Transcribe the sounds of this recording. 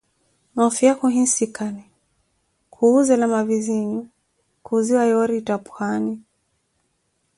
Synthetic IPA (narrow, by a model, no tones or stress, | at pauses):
nɔfiakuɦĩnsikani | kʰuuzɛlamaviziɲu | kuziwajɔɾitapu̥hani